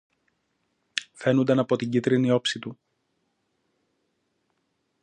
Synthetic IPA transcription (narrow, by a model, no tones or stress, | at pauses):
fe̞nund̪ɐnɐpo̞t̪iɲɟit̪ɾinio̞psit̪u